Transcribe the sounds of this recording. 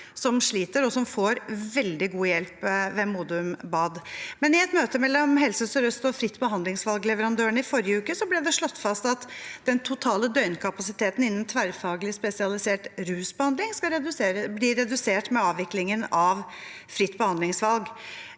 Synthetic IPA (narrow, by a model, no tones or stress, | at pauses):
sɔmʂɭiːt̪əɾɔsɔmfoːɾʋɛld̪ɪɡuːəjɛlpʋɛmuːd̪ʉmbɑːd̪mɛnɪɛt̪møːt̪əmɛlːɔmɦɛlsəsəɾœst̪ɔfɾɪt̪ːbəɦɑnd̪lɪŋsʋɑlɡlɛʋəɾɑnd̪øːəɳəɪfɔɾjəʉːkəsɔblɛd̪ɛʂɭɔt̪ːfɑst̪ɑt̪d̪̥ɛnt̪ʰʊt̪ʰɑːləd̪œʏnkʰɑpɑsɪt̪ʰeːt̪n̩ɪnːənt̪ʰʋæɾfɑːɡəlɪspɛsɪɑlɪseːʈɾʉːsbəhɑnd̪lɪŋskɑɾɛblɪɾɛd̪ʉseːʈmɛɑːʋʋɪklɪŋənɑʋ | fɾɪt̪ːbəhɑnd̪lɪŋsʋɑlɡ